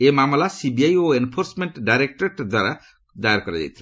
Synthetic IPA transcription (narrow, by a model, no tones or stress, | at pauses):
emamlasibiajoenpʰorsmeɳʈɖajɾek̚ʈʌrd̪waɾa | d̪ajarkʌɾad͡ʒa̰jt̪ʰi̥